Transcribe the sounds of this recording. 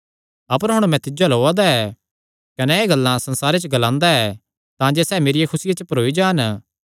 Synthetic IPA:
ɐpəɾɦʊɽ̃mɛ̃t̪ɪd͡ʒaloːad̪aɛ | kɐnɛeːɡɐlːãsɐ̃nsaːɾet͡ʃəɡɐlãːnd̪aɛː | t̪ãd͡ʒesɛːmeːɾijekʰʊsɪjat͡ʃəpɐɾoːid͡ʒaːn

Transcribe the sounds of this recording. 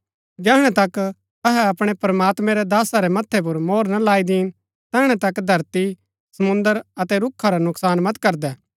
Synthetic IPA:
d͡ʒɛːɦɽ̃ɛt̪ɐk | ɐɦɛɐpɽ̃epɾɐmaːt̪mɛ̃ɾɛd̪aːsaɾɛmɐt̪ʰːɛp̬ʊɾmoːɾnɐlaːid̪iːn | t̪ɛːɦɽ̃ɛt̪ɐkd̪ʱɐɾt̪i | sɐmʊ̃nd̪əɾɐt̪ɛɾʊkʰːaɾanʊksaːnmɐt̪kɐɾd̪ɛː

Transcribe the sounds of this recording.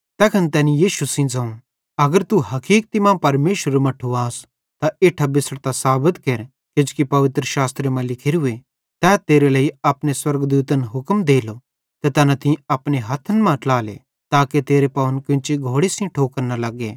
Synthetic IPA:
t̪ɛːkʰɐnt̪ɛːnijiːʃusĩd͡zɐ̃ũ | ɐɡəɾt̪uɦɐkiːk̚t̪ɪmãpɐɾmeːʃəɾmɐ̃ʈʰuaːs | t̪aeːʈʰabɪsɽt̪asaːbət̪keɾ | ked͡ʒkipɐʋɪt̪ɾəʃaːst̪ɾemãlɪkʰeɾʊe | t̪ɛːt̪eːɾelɐːiɐpñeswɐɾɡd̪uːt̪ənɦʊkmd̪eːlo | t̪ɛt̪ɛːnãt̪ɪ̃ɐpneɦɐt̪ʰənmãʈlaːlḛ | t̪aːket̪eːɾepɐʋənkɪ̃t͡ʃiɡʱoːɽesĩʈʰoːkɐɾnalɐɡḛː

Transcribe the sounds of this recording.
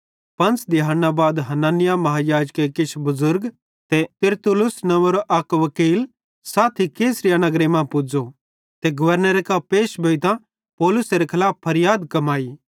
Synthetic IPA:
pɐ̃nt͡sd̪ɪaːnːabaːd̪ɦɐnaːnɪjamɐɦaːjaːd͡ʒkːekɪt͡ʃʰbɐzʊɾɡ | t̪ɛt̪ɪɾt̪ʊlʊsnɐʋəɾoʔɐkʋɐkiːl | saːt̪ʰikeːsɾɪjanɐɡɾemãpʊd͡ʒo | t̪eɡʊʋəɾnəɾekapeːʃbʱɐit̪ã | pɔːlʊseɾekʰɐlaːpʰːɐɾɪjaːd̪kɐmaːi

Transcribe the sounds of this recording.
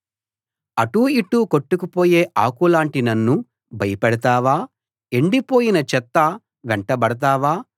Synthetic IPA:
ɐʈuiʈːuːko̞ʈːukupo̞ːje̞ːʔaːkulaːɳʈinɐnːu | bʱɐjɐpɛɽɐt̪aːʋaː | e̞ɳɖipo̞ːjinɐt͡ʃɛt̪ːɐ | ʋɛɳʈɐbɐɽɐt̪̬aːʋaː

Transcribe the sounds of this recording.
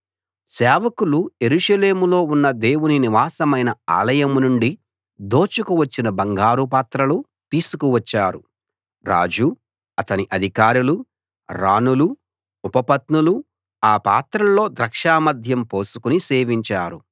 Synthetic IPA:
sɛːʋɐkuluje̞ɾuʂɐle̞ːmulo̞ːunːɐd̪e̞ːwuniniʋaːsɐmɐjnɐa̰ːlɐjɐmnuɳɖi | d̪o̞ːt͡ʃukuʋɐt͡ʃːinɐbɐŋɡaːɾupaːt̪ɾɐlu | t̪iːsukuʋɐt͡ʃːaːɾu | ɾa̰ːd͡ʒu | ɐt̪ɐniʔɐd̪ʱikaːɾulu | ɾaːnuluː | pɐpɐt̪nulu | aːpaːt̪ɾɐlo̞ːd̪ɾɐkʂaːmɐd̪ʱjɐmpo̞ːsu̥kunise̞ːʋiɲt͡ʃaːɾu

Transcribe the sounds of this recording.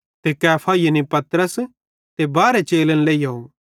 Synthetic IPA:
t̪ekɛːpʰajɐnipɐt̪ɾəs | t̪ebaːɾet͡ʃeːlənleːiɦou

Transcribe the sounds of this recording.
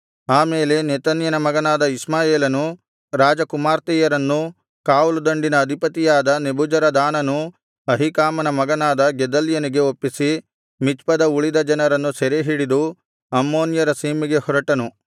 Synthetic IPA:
aːmeːle̞net̪ɐnjɐnɐmɐɡɐnaːd̪ɐismaːjeːlɐnu | ɾaːd͡ʒɐkumaːɾt̪ɛːjɐɾɐnːu | kaːwulud̪ɐɳɖinɐːd̪ʱipɐt̪ijaːd̪ɐnebʱud͡ʒɐɾɐd̪aːnɐnu | ɐɦikaːmɐnɐmɐɡɐnaːd̪ɐɡɛd̪ɐljɐniɡe̞opːisi | mit͡ʃpɐd̪ɐuɭid̪ɐd͡ʒɐnɐɾɐnːusɛɾeɦiːɽid̪u | ɐmːoːnjɐɾɐsiːmiɡe̞hɔɾɐʈɐnu

